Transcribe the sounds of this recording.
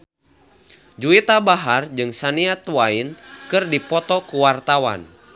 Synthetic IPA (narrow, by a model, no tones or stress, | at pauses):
d͡ʒuit̪abaɦard͡ʒɨŋsaniat̪wainkɨrdipɔt̪ɔkuwart̪awa̰n